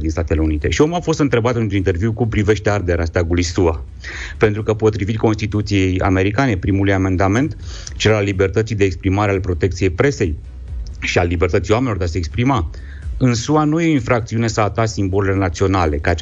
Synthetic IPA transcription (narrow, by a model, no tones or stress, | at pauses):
d̪inst̪at̪e̞le̞unit̪e̞̰ʃio̞mafo̞st̪ɨnt̪ɾe̞bat̪ɨnt̪unint̪e̞rviwkupɾive̞ʃt̪e̞ard̪eɾast̪aɡulujsua | pe̞nt̪ɾukəpo̞t̪ɾivit̪ʲko̞nst̪it̪ut̪sije̞ja̰me̞ɾikane̞pɾimulujamend̪ame̞nt̪ | t͡ʃelalːibe̞rt̪ət̪sijd̪eːkspɾimaɾealpɾo̞t̪e̞k̚t̪sije̞jpɾe̞se̞j | ʃialːibe̞rt̪ət̪sijwamenlod̪aseːkspɾima | ɨnsuanujeoinfɾakt̪siune̞saːt̪asimbo̞lele̞nat̪sio̞nale̞kaat͡ʃ